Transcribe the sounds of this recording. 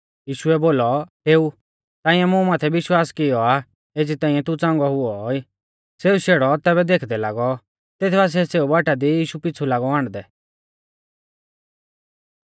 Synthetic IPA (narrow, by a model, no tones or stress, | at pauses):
jiːʃʊɛboːlɔɦeːu | t̪ãːɪ̃jɛmũmaːt̪ʰɛʋɪʃwaːskɪjɔa | eːd͡zit̪ãːĩɛ̃t̪ut͡sãːŋɡɔɦʊɔiː | seːuʃeːɽɔt̪ɛːβɛd̪eːkʰd̪ɛlaːɡɔ | t̪eːt̪ʰbas̬ɛseːubaːʈad̪ijiːʃupɪt͡sʰulaːɡɔaːɽ̃d̪ɛ